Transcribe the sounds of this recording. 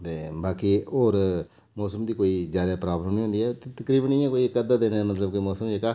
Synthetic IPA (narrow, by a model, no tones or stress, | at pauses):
t̪eːbaːkioːɾ | mɔːsəmd̪iːkoːiːzjaːd̪aːpɾaːbləmnĩːʊ̃nd̪iːɛːt̪eːt̪əkɾiːbənĩːãːkoːikəd̪aːd̪eːnːmət̪ləbkoimɔːsəmd͡ʒeːkaː